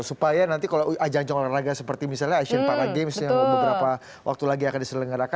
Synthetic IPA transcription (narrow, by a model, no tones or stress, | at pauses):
supajanant̪ikaload͡ʒaŋd͡ʒaŋlaraɡasəpərt̪imisalɲaːʃənpakaɡemsjaŋbbəbəɾapa | wʔa̰k̚t̪ulaɡiakandisələŋɡaɾaka